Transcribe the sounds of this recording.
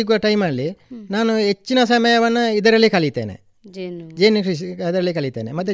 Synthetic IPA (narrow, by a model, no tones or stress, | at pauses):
iɡuɐʈɐjmalːinaːnuɦet͡ʃːinɐsɐmɐjɐʋɐnːuid̪ɐɾɐlːikɐlit̪ːḛːnḛ | d͡ʒd͡ʒeːnːikiɐd̪ɐɾɐlːikɐlit̪ːeːnemɐt̪̬ːu